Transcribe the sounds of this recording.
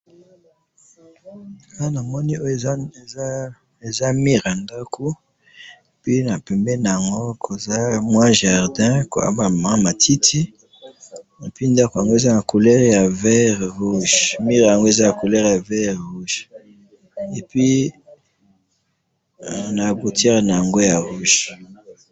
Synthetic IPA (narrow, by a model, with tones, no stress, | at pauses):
a˦na˨mɔ˦ni˦o˦jo˨˦ | e˨za˦mi˦ʁja˨nda˦kʰo˦ | e˨pi˦na˨pɛ˨mbɛ˦na˨ja˨ŋɡo˦kʰo˨za˦mwã˦ʒa˨ʁdɛ̃˦ko̰˨a̰˦ba˨mã˨˦ma˨tʰi˦tʰi˦ | e˨pi˦nda˦kja˨ŋɡo˦e˨za˦na˨ko˨lɛ˦ʁja˨vɛ˦ʁʁu˦ʒmi˦ʁa˨ŋɡo˦e˨za˦ja˨ko˨lɛ˦ʁja˨vɛ˦˨ʁu˦ʒ | e˨pɥi˦ | na˨ɡu˨tɛ˦ʁna˨ja˨ŋɡo˦ja˨ʁu˦ʒ